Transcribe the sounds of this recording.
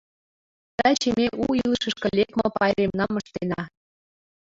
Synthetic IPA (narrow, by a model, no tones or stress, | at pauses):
t̪æt͡ɕemeʔuilʃə̆ʃkɤ̆lʲekmŏpɑjɾʲemnɑmɤʃt̪enɑ